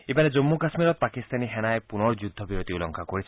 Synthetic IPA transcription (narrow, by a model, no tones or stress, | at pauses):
ebaned͡ʒomːukasmiɾɔt̪̚pakist̪aniɦenaepunɔɾd͡ʒud̪ʱːɔbiɾot̪iulɔŋkʰakoɾii